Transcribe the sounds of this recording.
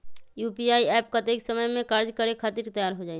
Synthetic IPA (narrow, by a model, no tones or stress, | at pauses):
juːpiaːiɛːpkɐt̪eːksɐməjmẽkaːɾd͡ʒkɐɾekʰaːt̪ɪɾt̪ɐjaːɾɦod͡ʒaːe